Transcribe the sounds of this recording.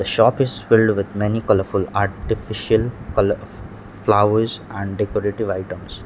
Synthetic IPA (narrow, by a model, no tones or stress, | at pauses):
d̪əʃɔːpɪzfɪlɖʋɪd̪mɛnikʌləɾfʊlaːɾʈɪfɪʃəlkʌlə | flaʊəɾzæ̃ɳɖɖekoɾeʈɪʋaɪʈə̃ms